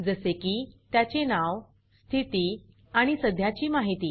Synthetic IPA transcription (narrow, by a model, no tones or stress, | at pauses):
d͡zəsekiːt̪jat͡ɕenaʋ | st̪ʰit̪iː | aɽ̃isəd̪ʱjat͡ɕiːmaɦit̪iː